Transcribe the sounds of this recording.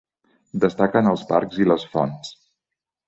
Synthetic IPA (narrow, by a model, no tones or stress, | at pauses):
d̪əst̪akənəlˠzpa̰ɾkziləsfɔ̰ns